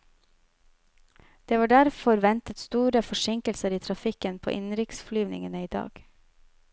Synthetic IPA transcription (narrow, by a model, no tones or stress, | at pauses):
d̪̥eːʋɑːɖæɾfɔɾʋɛnt̪ət̪st̪uːɾəfɔʃɪŋkəlsəɾiːt̪ʰɾɑfɪkənpʰo̰ːʔɪnɾɪksflyːʋnɪ̰ŋənəiːd̪ɑ̰ːɡ̥